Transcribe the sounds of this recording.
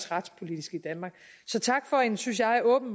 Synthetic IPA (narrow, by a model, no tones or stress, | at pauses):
sʁɑ̈d̥spʰo̝lid̥isɡ̥id̥ænmɑ̈ːɡ̥ | sɒ̽t͡sʰɑ̈ɡ̥fɒ̽ensyns̬jɑ̈ɪæɐʔɔ̽ːb̥n̩